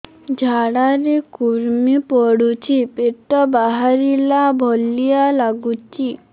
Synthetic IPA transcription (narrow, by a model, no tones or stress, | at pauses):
d͡ʑʱaɽaɾekuɾmipɔɽut͡ɕʰipeʈːɔbaɦaɾilabʱɔlːijalaɡut͡ɕi